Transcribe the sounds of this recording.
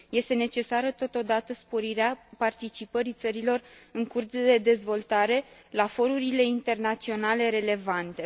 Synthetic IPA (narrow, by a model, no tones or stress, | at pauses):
je̞st̪e̞ne̞t͡ʃe̞saɾət̪o̞t̪o̞d̪at̪əspo̞ɾiɾeapart̪it͡ʃipəɾit̪səɾilo̞rɨŋkurd̪d̪e̞d̪e̞zvo̞lt̪aɾe̞lafo̞ɾuɾile̞int̪e̞rnat̪sio̞nale̞ɾe̞le̞vant̪e̞